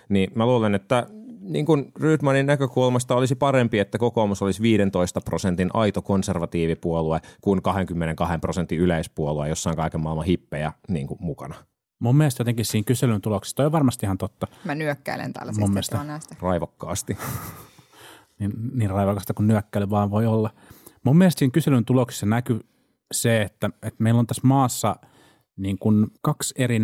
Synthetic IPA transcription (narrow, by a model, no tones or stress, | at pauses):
nimæluːlenet̪ːænḭːŋkunryːt̪mɑninnækøkulmɑst̪ɑolisipɑrempiet̪ːækokomusolisʋiːɾent̪oist̪ɑprosent̪inʔɑit̪okonserʋɑt̪iːʋipuoluekunkɑheŋkymːeneŋkɑhemprosent̪ːiyleispuoluejosːɑiŋkɑikemɑˑilmɑ̃hipːejænḭːŋkummukɑ̰nɑ | mummielest̪jot̪eŋkissiːŋkyselynt̪uloksi̥st̪oˑiʋɑrmɑst̪ihɑnt̪ot̪ːɑmænyøkːæ̰ilḛnt̪æ̰lːmumːelsɑnst̪rɑiʋɑkːɑ̰ːst̪i | ninniːrrɑiʋɑkɑst̪ɑkunnyøkːæilyʋɑːʋʋoiolːɑ | mumːiælest̪siːŋkyselynt̪uloksi̥sɑnæky | seet̪ːæet̪meilːont̪æsmɑːsːɑ | niːŋkunkɑkseri